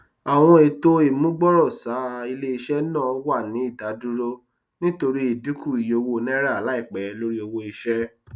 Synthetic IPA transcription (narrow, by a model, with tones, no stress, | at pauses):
a˨w̃ɔ̃˧e˨to˦e˨mũ˦ɡ͡bɔ˦ɾɔ˦˨sa˨˦˨i˧le˦i˧ʃɛ˦nãː˦˨˦wa˦˨nĩ˨˦i˦˨da˨˦du˦ɾo˦ | nĩ˦to˧ɾi˦i˦˨di˨˦ku˦˨i˨jo˧wo˧˦˨nɛ̃˦ɾa˦˨la˨˦i˦˨k͡pɛ˨˦lo˦ɾi˦o˧wo˧i˧ʃɛ˦